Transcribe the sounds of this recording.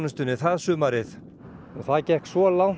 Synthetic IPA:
nʏst̪ʏnːɪθaðsʏːmaɾɪθ | ɔθaðcɛhksvɔlaw

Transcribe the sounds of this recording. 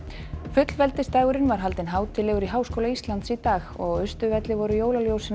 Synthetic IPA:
fʏt̪lvɛlt̪ɪst̪aːɣʏɾɪnvaɾ̥ɦalt̪ɪnɦaːwt̪ʰɪlɛɣʏɾiɦaːwskowlaist̪lant̪sit̪aːɣɔɣʏst̪ʏvɛt̪lɪvɔɾʏjoːwlaljowsɪn

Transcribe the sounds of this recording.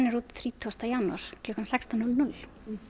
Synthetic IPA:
nɪɾuːt̪θɾiːt̪ʰuast̪ajanua̰ɾ̥kʰlʏːkːansɛkst̪anʏlnʏl

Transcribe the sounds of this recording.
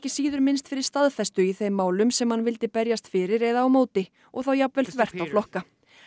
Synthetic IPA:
cɪ̥siːðʏɾmɪnst̪fɪɾɪɾ̥st̪aðfɛst̪ʏiθejmːaːwlʏmsɛmhanvɪl̪t̪ɪpɛɾjast̪fɪːɾɪɾɛðaːwmoːwt̪ɪ | ɔɣθawjapvɛlθvɛr̥t̪awflɔhka

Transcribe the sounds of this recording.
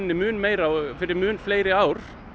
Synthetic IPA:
nnɪmʉːnmæɪɾɑʋfɪɾɪmʉːnflæɪɾəaʊɾ

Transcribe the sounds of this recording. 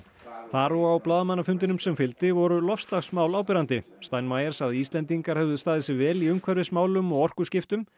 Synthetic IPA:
θaɾɔawplaːðamanːafʏnt̪ɪnʏmsɛmfɪlt̪ɪvɔɾʏlɔfst̪laxsmaːwlaːwpɪɾant̪ɪ | st̪ajnmajɛɾ̥saðɪiːst̪lɛnt̪iŋkaɾ̥hɛvðʏst̪aːðɪsɪvɛːliʏŋkʰvɛɾvɪsmaːwlʏmɔɣɔr̥kʏscɪft̪ʏm

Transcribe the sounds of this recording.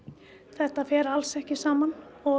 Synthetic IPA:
θɛht̪afjɛːɾalsɛhcɪsaːmanɔ

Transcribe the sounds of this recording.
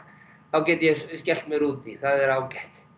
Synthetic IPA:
θawcɛːt̪jɛscɛl̥t̪mɛɣɾuːt̪iθaðɛɾaːwcɛht̪

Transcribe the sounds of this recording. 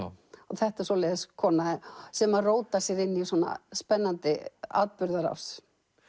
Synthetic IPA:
ɔθɛht̪ɛ̥ɾsɔleːðɪskʰɔːnasɛmaroːwt̪asjɛðɪnːiisuɔna̰spɛnːant̪ɪa̰ːðpʏɾðaɾa̰fs

